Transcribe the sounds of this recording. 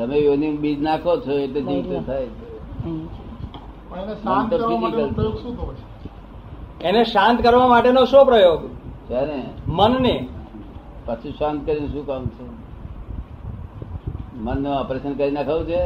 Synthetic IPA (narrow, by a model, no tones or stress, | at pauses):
t̪əmejonibid͡ʒnakʰot͡ʃʰoeʈled͡ʒit̪t̪ʰajt͡ʃʰe | pəeneʃãnt̪okəɾid͡ʒikəlpɾəjoɡʃũt̪ʰəet͡ʃʰe | eneʃãnt̪kəɾʋamaʈenoʃõpɾəjoɡt͡ʃaɾemənne | pət͡ʃʰiʃãnt̪̚kəɾineʃũkamt͡ʃʰe | mənːuəpɾesənkəɾinakʰaʋũt͡ʃʰe